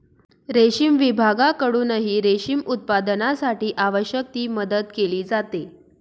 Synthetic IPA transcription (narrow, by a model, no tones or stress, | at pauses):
ɾeɕimʋibʱaɡakəɽuːnəɦiːɾeɕimut̪̚pad̪ənasaʈiːʔaʋəɕjək̚t̪iːməd̪əd̪̚keliːd͡zat̪e